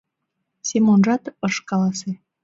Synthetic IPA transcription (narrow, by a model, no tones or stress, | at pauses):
sʲemonʒɑt̪əʃkɑlɑse